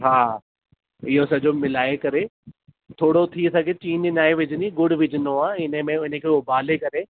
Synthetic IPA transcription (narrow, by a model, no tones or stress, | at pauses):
ɦaː | ɪɦosɐd͡ʑomɪlaːekɐɾe | t̪ʰoːɽot̪ʰisɐɡʱet͡ɕiːnɪnaːeʋɪd͡ʑʱɪniɡʊɽʋɪd͡ʑʱɪnoaːɪnəmẽʊnə̃kʰeʊbaːlekɐɾe